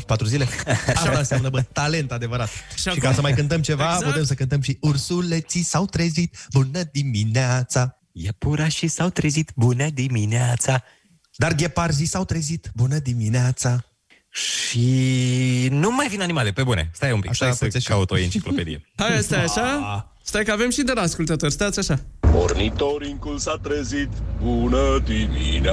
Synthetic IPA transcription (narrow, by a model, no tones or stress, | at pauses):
pat̪ɾuzileaʃanaseamnəbət̪ale̞nt̪ad̪e̞vəɾat̪ʃʃikasəmajkɨnt̪əmt͡ʃe̞vaput̪emsəkɨnt̪əmʃiursulet̪sisawt̪ɾezit̪̚bunəd̪imineat̪sa | jepuɾaʃisawt̪ɾezit̪bunəd̪imineat̪sa | d̪arɡʲeparzisawt̪ɾezit̪bunəd̪imineat̪sa | ʃi | numajvinanimalepebunḛst̪ajeumpiakʃaesəekaut̪ojɨnt͡ʃiklope̞d̪ḭehajest̪ajaʃa | st̪ajkəavemʃid̪əɾaːskult̪ət̪orʲst̪at̪sʲaʃamo̰rnit̪oɾiŋkulsat̪ɾezit̪bunəd̪imḭna